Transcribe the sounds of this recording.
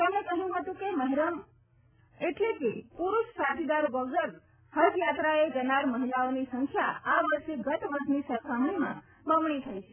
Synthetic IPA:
t̪əmnekəɦjũɦət̪ũkeməɦiɾəm | eʈlekepuɾuʃsad͡ʒ̪id̪aɾbəʋd͡ʒəɾ | həd̪jat̪ɾaed͡ʒənaɾməɦilaonisəŋkʰjaaʋəɾʃeɡət̪ʋəɾd͡ʒ̪nisəɾkʰaɦənimã̰ | bəmɳit̪ʰəjt͡ʃʰe

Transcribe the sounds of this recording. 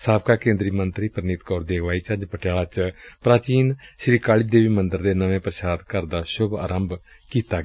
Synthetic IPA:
saːb̚kaːkẽːnd̪ɾiːmənt̪ɾiːpəɾniːt̪kɔːɾd̪eːɡʋaːiːt͡ʃəd͡ʒpəʈjaːɭaːt͡ʃpɾaːt͡ʃiːnʃɾiːkaːɭɪb̚d̪eːʋiːmənd̪əɾd̪eːnəʋẽːpɾəʃaːd̪kəɾd̪aːʃʊɡa̰ːɾəmb | kiːt̪aːɡ

